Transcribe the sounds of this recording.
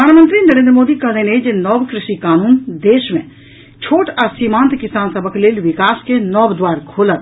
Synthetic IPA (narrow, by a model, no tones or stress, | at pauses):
əaːnmə̃nt̪ɾinɐɾẽːnd̪ɾəmoːd̪ikɐlẽneːd͡ʒnɔːbkɾɪʃikaːnuːnd̪eːʃmḛ̃ | t͡ʃʰoːʈʰɐsiːmãːnt̪kɪsaːnsəbəkleːlʋɪkaːskenɔːbd̪waːɾkʰoːlət̪